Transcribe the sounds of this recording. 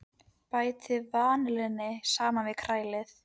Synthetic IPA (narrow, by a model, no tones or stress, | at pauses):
paːjt̪ɪvaːnlɛnːɪsaːmanvɪðkʰɾaːjlɪθ